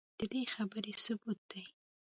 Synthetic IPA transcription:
d̪̥əd̪exabəɾesʊbut̪̚d̪̥aj

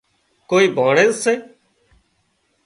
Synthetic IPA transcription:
koːiːbʱaːɳeːzseː

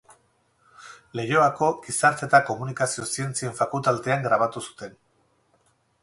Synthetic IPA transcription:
le̞jo̞ako̞ɡisaɾt͡s̪e̞t̪ako̞munikasio̞sie̞nt͡sie̞ɱfakult̪alt̪e̞aŋɡɾaβ̞at̪usu̥t̪e̞n

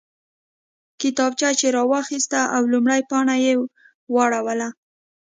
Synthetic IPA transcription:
kɪt̪ɑb̚t͡ʃat͡ʃeɾɑwɑxist̪aʔawlumɽajpɑɳaje | wɑɽawəla

